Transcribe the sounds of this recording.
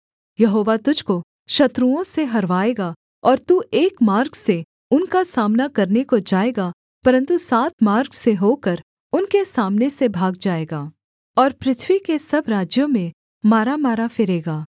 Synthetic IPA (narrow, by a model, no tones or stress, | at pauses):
jɐɦoːʋat̪ʊd͡ʒʱko | ʃɐt̪ɾuõseɦɐɾʋaːeːɡa | ɔːɾt̪uːeːkmaːɾɡse | ʊnkasaːmnakɐɾnekod͡ʒaːeːɡa | pɐɾə̃nt̪usaːt̪̚maːɾɡseɦoːkɐɾ | ʊnkesaːmnesebʱaːɡ̚d͡ʒaːeːɡaː | ɔːɾpɾɪt̪ʰwikesɐbɾaːd͡ʒjõmẽ | maːɾamaːɾafɪɾeːɡaː